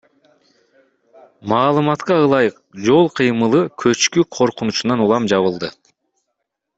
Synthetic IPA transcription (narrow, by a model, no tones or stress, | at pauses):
mɑːlˠɯmɑt̪qɑɯlˠɑjɯq̚d͡ʒo̞lˠqʰɯjmɯlˠɯkʰø̞t͡ʃkyqʰo̞ɾqunut͡ʃunɑnulˠɑmd͡ʒɑβɯlˠd̪ɯ